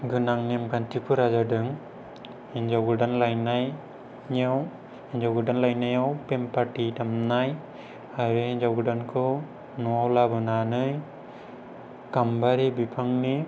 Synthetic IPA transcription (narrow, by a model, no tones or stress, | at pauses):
ɡɯnaŋnimkantipʰuɾad͡ʒaɖɯŋ | ind͡ʒawɡɯɖanlajnaj | ɲaw | ind͡ʒawɡɯɖanlajnajawpempaʈitamnaj | aɾeɲd͡ʒawɡɯɖankʰɯ | nɔawlabɯnanɯj | kambaɾibipʰaŋni